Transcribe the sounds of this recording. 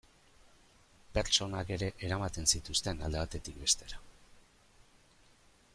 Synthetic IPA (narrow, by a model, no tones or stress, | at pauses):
pe̞ɾt͡ʃo̞nake̞ɾe̞ʔeɾamat̪e̞nsit̪ust̪e̞nald̪e̞βat̪e̞t̪ik̚be̞st̪e̞ɾa